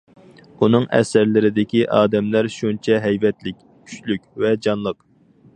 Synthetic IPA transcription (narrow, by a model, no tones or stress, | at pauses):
unɨŋɛ̰sɪɾlɪɾɪd̪ɪkʲiʔɑːd̪ɛmlæɾʃunt͡ʃʰɛɦɛjvɛt̪lɪk̚ʲ | kʲʰy̥t͡ʃlykʲvɛd͡ʒɑnlˠəq